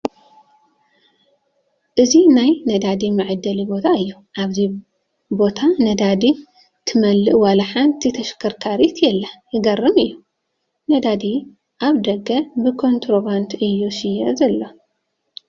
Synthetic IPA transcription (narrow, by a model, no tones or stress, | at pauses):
ʔɨzinajnɐd̪ad̪imɨʕɨd̪ːɐlibo̞t̪ʰaɨjːuʔaβzi | bo̞t̪ʰanɐd̪ad̪i | t̪ʰɨmɐlːɨʔwalaħant̪ʰit̪ʰɐʃkʰɐɾkʰaɾit̪ʰjɛlːajɪɡɐrːɨmɨjːu | nɐd̪ad̪i | ʔaβd̪ɐɡɐbɨkʰo̞nt̪ʰɾobant̪ʔɨjːusijɐzɐlːo